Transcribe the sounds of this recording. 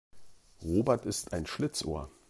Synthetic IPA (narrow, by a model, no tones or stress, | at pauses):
ʁoːbɛɐtɪstaɪnʃlɪt͡sʔo̰ːɐ